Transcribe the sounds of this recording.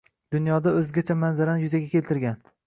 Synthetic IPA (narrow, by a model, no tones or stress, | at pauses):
d̪̥ʊnjɒd̪aɵzɡʲat͡ʃʰamanzaɾanjʊzaɡʲakʲʰe̞lt̪ɪɾɡʲan